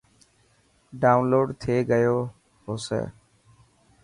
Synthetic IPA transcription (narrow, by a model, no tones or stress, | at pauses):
ɖaːʊnloːɖt̪ʰeːɡəjoː | ɦoːsḛː